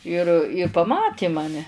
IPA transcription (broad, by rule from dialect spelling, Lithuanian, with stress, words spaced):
ɪr ɪ pɐˈmɑːtʲeː mɐˈnʲɛ